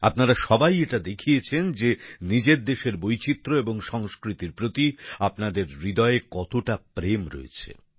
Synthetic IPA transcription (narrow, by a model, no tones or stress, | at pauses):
apnaɾaʃɔbajeʈad̪ekʰijet͡ɕʰend͡ʑenid͡ʑeɾd̪eʃeɾbojt͡ɕit̪ːɾoeboŋʃɔŋskɾit̪iɾpɾot̪iapnad̪eɾːid̪ɔekɔt̪oʈapɾemɾo̰ḛt͡ɕʰḛ